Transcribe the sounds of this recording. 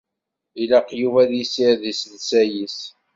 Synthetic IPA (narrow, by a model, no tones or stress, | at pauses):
ilɑqjuvæðisiɾðisnsæjis